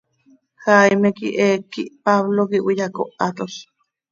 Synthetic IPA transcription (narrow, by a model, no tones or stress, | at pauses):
hajmekḭʔekiʔpaβlokiʔwijako̰ʔat̪os